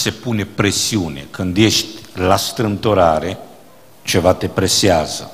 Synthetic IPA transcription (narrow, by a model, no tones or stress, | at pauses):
sepunepɾesiunḛkɨnd̪jeʃt̪ʲlast̪ɾɨnt̪oɾaɾe | t͡ʃevat̪epɾesiazə̰